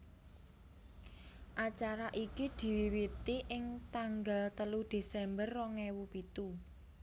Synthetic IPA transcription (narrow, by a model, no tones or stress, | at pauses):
ʔat͡ʃaɾaʔikid̪̥i̤wiwit̪iʔɪŋt̪aŋɡalt̪əlud̪̥e̤sɛmbərːɔŋɛwupit̪u